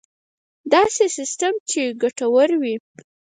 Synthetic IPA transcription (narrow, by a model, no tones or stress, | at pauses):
d̪ɑsesɪstamt͡ʃeɡaʈawəɾwi